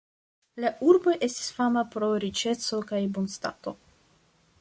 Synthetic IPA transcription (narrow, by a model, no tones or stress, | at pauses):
laʔuɾbo̞jʔe̞sti̥sfamapɾo̞ɾit͡ʃe̞so̞kajbonsta̰to̞